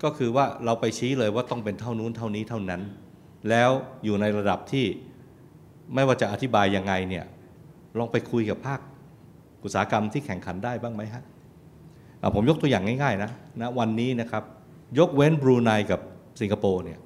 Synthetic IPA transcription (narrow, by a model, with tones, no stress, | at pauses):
kɔː˥˩kʰɯː˧waː˥˩ɾa˧wpa˧jt͡ɕʰiː˦˥lɤː˧jwaː˥˩t̪ɔ˥˩ŋpe˧nt̪ʰa˥˩wnuː˦˥˨nt̪ʰa˥˩wniː˦˥t̪ʰa˥˩wna˦˥n | lɛː˦˥wjuː˨˩na˧jɾa˧da˨˩p̚t̪ʰiː˥˩ | ma˥˩jwaː˥˩t͡ɕa˨˩ʔa˧˩t̪ʰi˦˥baː˧jːa˧ŋːa˧jni˥˩ɐ | ɾɔː˧ŋpa˧jkʰu˧jka˨˩pʰːaː˥˩k̚ | ʔu˨˩saː˩˦˥ka˧mt̪ʰiː˥˩kʰɛ˨˩˦ŋkʰa˩˦ndaː˥˩jbaː˥˩ŋma˦˥jɦʰa˦˥ | ʔa̰˧˩pʰo˩˦mjo˦˥k̚t̪u˧jaː˨˩ŋa˥˩jŋaː˥˩jna˦˥na˦˥wa˧nːiː˦˥na˦˥kʰɾa˦˥p̚ | jo˦˥k̚we˦˥nbɾuː˧na˧jka˨˩p̚si˨˩˦ŋkʰa˧poː˧ni˥˩ɐ